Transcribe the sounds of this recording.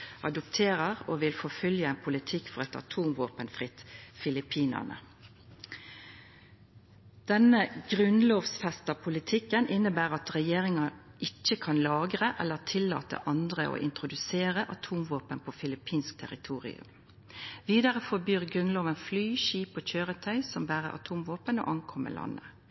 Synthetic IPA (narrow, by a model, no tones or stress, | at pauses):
ʔɑd̪ʊpt̪ʰeːʁəʁoːʋɪlfɔfœljəɛːnpʰʊlɪt̪ʰɪkːfɔʁɛt̪ɑ̰t̪ʰuːmʋoːpənfʁɪt̪fɪlɪpʰiːnə̰nə̰ | d̪̥ɛnəɡʁʉnloːʋsfɛst̪ɑpʰʊlɪt̪ʰɪkːənʔɪnːəbæːʁɑt̪ʁɛjeːʁɪŋɑ | ɪc͡çːəkʰɑnlɑːɡʁəʔɛlːəʁt̪ʰɪlːɑ̰ːt̪ə̰ʔɑnd̪ʁə̰ʔo̰ːʔɪ̰nt̪ʁʊd̪ʉseːʁəʔɑt̪ʰuːmʋoːpənpʰoːfɪlɪpʰiːnsk̚t̪ʰɛʁɪt̪ʰuːʁɪ̰ʉ̰m | ʋiːd̪ɑʁəfɔbyːʁɡʁʉnloːʋənflyːʃiːpoːc͡çøːʁət̪ʰœʏsɔmbæːʁə̰ʔɑ̰t̪ʰuːmʋoːpəno̰ːʔɑŋkʰɔmə̰lʔɑ̰nːə̰